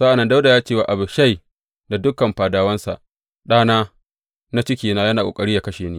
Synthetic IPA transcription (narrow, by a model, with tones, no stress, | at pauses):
sa˦ʔa˨nːɐ˦nda˦wda˨jaː˦t͡ʃeː˦waː˨ʔa˨bʊ˨ʃa˦˨j | da˨dʊ˦kɐ˨mɸaː˨daː˨˦wɐ˦nsa̰˨ʔ | ɗaː˦naː˦ | na˦t͡ʃɪ˦kʲiː˨naː˦jɐ˦naː˨kʷʼo̰ː˨kʼɐ˦ɽiː˦jaː˨kɐ˦ʃeː˨neː˦